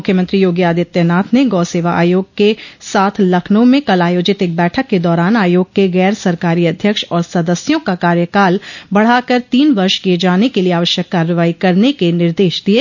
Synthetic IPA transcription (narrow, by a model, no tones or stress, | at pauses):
mʊkʰjəmə̃nt̪ɾijoːɡjaːd̪iət̪jənaːt̪ʰneɡɔːseːʋaʔa̰ːjoːɡ̚kesaːt̪ʰlɐkʰnõmẽkɐlaːjoːd͡ʒɪt̪eːk̚bɛːʈʰəkːed̪ɔːɾaːnaːjoːɡ̚keɣɛːɾsɐɾkaːɾiɐd̪ʱjəkʃɔːɾsɐd̪əsjõkakaːɾjəkaːlbɐɽ̤aːkəɾt̪iːnʋɐɾʃkied͡ʒaːnekelieaːʋəʃjəkːaːɾjəʋaːikɐɾnekenɪɾd̪eːʃd̪ieː